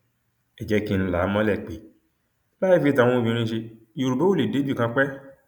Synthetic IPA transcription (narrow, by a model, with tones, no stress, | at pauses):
ɛ˨d͡ʒɛ˦ki˧n̩˦la˨˦mã˦lɛ˨k͡pe˨ | la˦i˦fi˦tã˨˦o˦d͡ʒĩ˧ɾ̃ĩ˦ʃe˧ | jo˨ɾu˨bo˦o˦le˨de˦d͡ʒu˦˨kã˧k͡pɛ˦